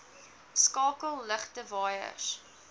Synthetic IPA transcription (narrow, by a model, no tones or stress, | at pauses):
skɑːkəlˠləχtəvɑːjə̰s